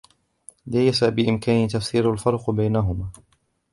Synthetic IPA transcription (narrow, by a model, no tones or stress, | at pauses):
laːjasabɪʔɪmkaːnɪt̪afsiːɾalfɑɾˤqbajnaɦʊmaː